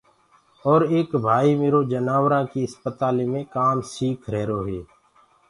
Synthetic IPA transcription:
ɔːɾeːkbʱaːimeːɾoːd͡ʒənaːʋɾãːkiəspət̪aːleːmẽkaːmsiːkʰɾɛɦɾoːɦeː

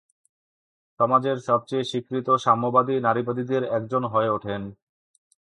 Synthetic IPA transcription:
ʃɔmad͡ʑeɾʃɔb̚t͡ɕejʃikɾit̪oʃamːobad̪inaɾipad̪id̪eɾɛk̚d͡ʑonɦɔeoʈʰen

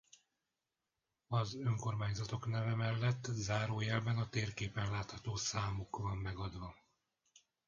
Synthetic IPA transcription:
ɒzøŋko̞rmaːɲzɒt̪o̞knɛvɛmɛlːɛt̪ːzaːɾoːjɛlbɛnɒt̪eːrkeːpɛnlaːt̪hɒt̪oːsaːmukvɒmːɛɡɒd̪ʋɒ

